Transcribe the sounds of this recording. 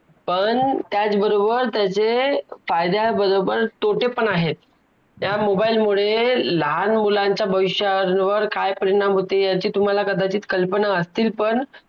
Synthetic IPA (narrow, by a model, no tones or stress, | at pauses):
pəɳt̪jat͡sbəɾobəɾt̪jat͡sefajd̪aɦebəɾobəɾt̪oʈepəɳaɦet̪̚ | jamobailmuɭeləɦanmulaɲt͡ɕjabʱəʋiɕjənʋəɾkajpəɾiɽ̃amɦot̪ejat͡ɕiːt̪um̤alakəd̪at͡ɕiːt̪kəlpənaəst̪iːlpəɳ